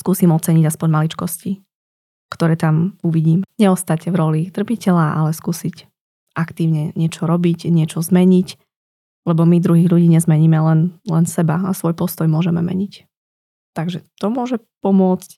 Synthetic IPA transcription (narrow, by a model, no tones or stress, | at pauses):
skuːsiːmɔt͡sɛɲiɟaspɔɲmalit͡ʃkɔsci | kt̪ɔɾɛːt̪amuʋiɟiːmɲɛɔst̪acvɾɔlit̪r̩picɛlaʔa̰lɛskuːsic | ʔakt̪iːʊɲɛɲɪɛt͡ʃɔɾɔbicɲɪɛt͡ʃɔzmɛɲic | lɛbɔmid̪ɾuɦiːɣʎuɟiːɲɛzmɛɲiːmɛlɛnlɛnsɛbaasʋɔjpɔst̪ɔjmʊɔʒɛmɛ̰mɛ̰ɲic | t̪aɡʒɛt̪ɔmʊɔʒɛ | pɔmʊɔt͡sc